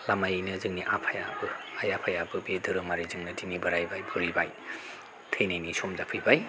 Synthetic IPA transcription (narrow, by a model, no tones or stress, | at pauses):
lamajnɐzɯŋniʔapʰajabɯajapʰajabɯbedɯɾɯmaɾizɯŋnɐdinibɐɾajbajbʰʱuɾibaj | tʰejnajnisomzapʰɯjbaj